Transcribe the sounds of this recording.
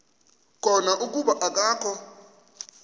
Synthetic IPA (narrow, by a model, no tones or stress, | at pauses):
kʰʼɔnaʔuk̬ʼuɓaʔakʼaːkʰɔ